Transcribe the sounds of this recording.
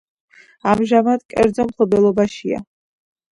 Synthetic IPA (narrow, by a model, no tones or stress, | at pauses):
amʒamad̪kʼɛ̰ɾd̪zɔmχbɛlˠɔbaʃia̰